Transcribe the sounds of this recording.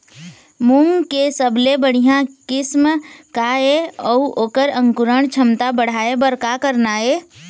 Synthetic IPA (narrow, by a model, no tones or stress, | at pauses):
mʊŋɡkesəbʱlebəɽ̤ijãkɪsmkaeɔuʔoːkəɾə̃ŋkʊɾəɳt͡ʃʰəmt̪abəɽ̤aːebəɾkakəɾnae